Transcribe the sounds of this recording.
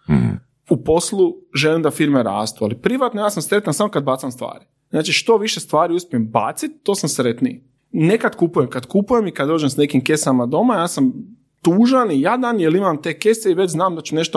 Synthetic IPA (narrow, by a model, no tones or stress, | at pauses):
upo̞slˠuʒelimd̪afiɾmeɾa̰ːst̪ua̰lipɾiʋat̪nojaːsamsɾe̞t̪ansamokad̪̚baːt̪amst̪ʋa̰ːɾi | znaːt͡ʃiʃt̪o̞ʋiʃe̞st̪ʋaːɾiuspiemba̰ːt̪sit̪ːo̞ːsamsɾe̞t̪nḭ | ne̞kad̪kupuje̞mkad̪kupuje̞mikad̪o̞ːd͡ʒemsne̞kimke̞samad̪o̞majaːsam | t̪uːʒanijaːd̪anjelimamt̪e̞ːke̞seiʋet͡ʃznaːmd̪at͡ʃune̞ʃt̪o